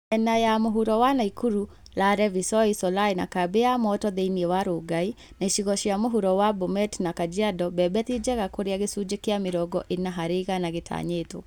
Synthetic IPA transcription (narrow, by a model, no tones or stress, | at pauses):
ɛnajamoɦuɾɔwanaikuɾu | laɾɛvisɔisɔlaina̰kabeamɔtɔðeiniɛwaɾoɡai | naiʃiɣɔʃiamoɦuɾɔwabomɛtnakad͡ʒiadɔbɛbɛtid͡ʒɛɣakoɾeaɣesud͡ʒekeamiɾɔɡɔʔenaɦaɾeɣanaɣetʰa̰ɲeto̰